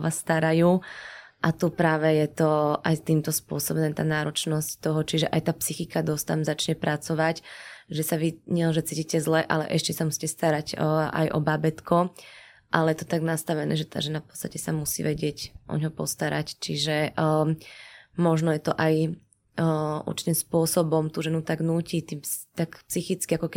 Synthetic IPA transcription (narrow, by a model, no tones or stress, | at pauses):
ʋast̪aɾajuːʔat̪upɾaːʋɛjɛt̪ɔʔajt̪iːmt̪ɔspʊɔsɔbɛnɛːt̪a̰ːnaːɾɔt͡ʃnɔsct̪ɔɦɔt͡ʃiʒɛʔajt̪aːpsixikad̪ɔst̪amzat͡ʃɲɛpɾʔat͡sɔʋacʒɛsaʋiɲɛlɛnʒɛt͡siːcicɛzlɛʔa̰lɛ̰ʔɛʃcɛsamusi̥ːcɛst̪aɾaɟʔa̰jʔɔ̰babɛt̪kɔ | ʔalɛjɛt̪ɔ̥t̪aɡnast̪aʋɛnɛ̰ːʒɛt̪a̰ːʒɛnafpɔ̥t͡st̪acɛsamusḭʋɛɟɪɛcʔɔ̰ɲɦɔpɔ̰st̪aɾa̰ct͡ʃiʒɛʔ | mɔʒnɔjɛt̪ɔʔaj | ṵɾt͡ʃi̥cɛspʊɔsɔbɔmt̪uːʒɛnut̪aɡnuːcit̪iːt̪akpsixit͡skiakɔkɛ